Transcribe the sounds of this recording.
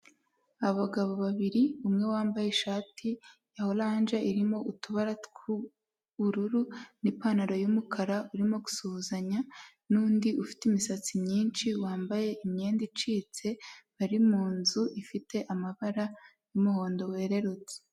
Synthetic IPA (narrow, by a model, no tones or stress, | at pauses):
aβaɡaβo̞βaβiɾiumŋe̞waːmbaje̞ʃaːtʰijaho̞laːnʒaiɾimo̞ʔutuβaɾatku | βuɾuɾunipanaɾojumukʰaɾauɾimo̞ɡu̥suuzaɲa | nuːndiʔufi̥timisat͡simɲiːnt͡ʃiwaːmbaje̞ʔimɲe̞ːndit͡ʃiːt͡se̞βaɾimuːnzuifite̞ʔamaβaɾa | jumuho̞ːndo̞we̞ːɾe̞ɾut͡se̥